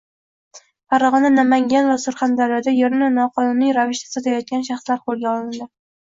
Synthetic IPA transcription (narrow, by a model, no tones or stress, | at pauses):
faɾɒʁɒnanamaŋɡʲanvasʊɾχand̪aɾjɒd̪ajeɾnɪnɒqʰɒnunijɾavɪʃt̪ʰḁsat̪ʰajɒt̪̚ɡʲanʃaχslaɾqʰolˠɡʲaɒlɪnd̪ɪ